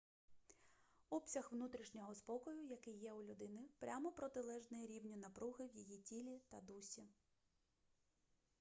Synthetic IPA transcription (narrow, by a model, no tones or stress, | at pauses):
ɔpsʲɐxʋnut̪ɾʲiʃnʲɔɦɔspɔkɔjʊjɐkɪjːɛulʲʊd̪ɪnɪpɾʲamɔpɾɔt̪ɪlˠɛʒnɪjɛɾʲiwnʲinɐpɾuɦɪwjijitʲilʲit̪ɐd̪usʲi